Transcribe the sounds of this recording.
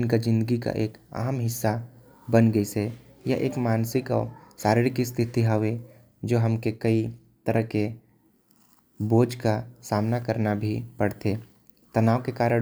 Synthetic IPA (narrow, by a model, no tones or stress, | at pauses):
nkad͡ʒɪ̃nd̪əɡika̰ʔeːkɐ̰ɦəmɦɪsːa | bənɡəise | ja̰ʔḛːkmaːnsɪkɔ̰ːɾsaːɾɪɽɪkist̪ʰɪt̪iɦaʋe | d͡ʒoːɦɐmkekɐi | t̪əɾəɦke | boːd͡ʒkasaːmnakəɾnabʱipɐɽt̪eː | t̪ɐnaːʋkekaːɾə